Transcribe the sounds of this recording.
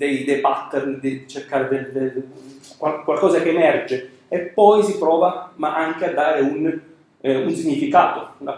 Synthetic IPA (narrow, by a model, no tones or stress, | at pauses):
d̪ejd̪ejbat̪ːernd̪it͡ʃerkaːɾed̪elekwalkwalkɔːzakeːmɛrd͡ʒe | epːɔjsipɾɔːvamaʔaŋk̟ead̪ːaːɾeun | unsiɲːifikaːt̪ola